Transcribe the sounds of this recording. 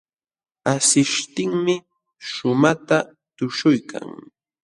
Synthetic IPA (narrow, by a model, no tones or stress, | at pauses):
asɪʃt̪ɪŋmɪ | ʃʊmat̪a | t̪ʊʃʊjkʰa̰ŋ